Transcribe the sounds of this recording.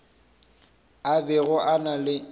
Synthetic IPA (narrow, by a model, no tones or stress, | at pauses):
abɛɣʊʔanalɪ